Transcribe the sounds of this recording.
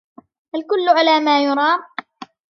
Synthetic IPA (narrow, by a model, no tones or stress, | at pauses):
ʔalkʊlːʊʕalaːmaːjʊɾˤɑːm